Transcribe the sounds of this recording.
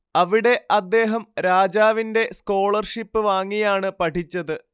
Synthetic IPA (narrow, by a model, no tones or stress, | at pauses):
ɐʋiɽe̞ʔɐd̪ːe̞ːɦɐmɾaːd͡ʑaːʋinde̞sko̞ːɭɐrʂipːɨʋaːŋːijaːɳɨpɐʈʰit͡ɕːɐðɨ